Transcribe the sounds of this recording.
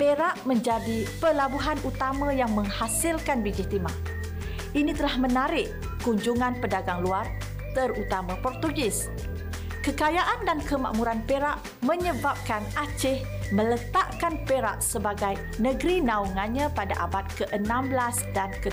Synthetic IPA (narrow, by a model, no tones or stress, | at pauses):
peɾaʔmə̃ɲd͡ʒadipəlabuɦanut̪amãjaŋmə̃ŋhasɪlkanbid͡ʒit̪ima | ʔinit̪əlahmənaɾɪʔ | kuɲd͡ʒuŋanpədaɡaŋluar | t̪ərut̪amãpɔrt̪uɡɪs | kəkajaʔandankəma̰ʔmuɾanpeɾaʔ | mə̃ɲəbap̚kanat͡ʃɪh | mə̃lət̪aʔkanpeɾa̰ʔsəbaɡaj | nə̃ɡɾinãuŋanɲãpadaʔabat̪̚kəʔənãmblasdankə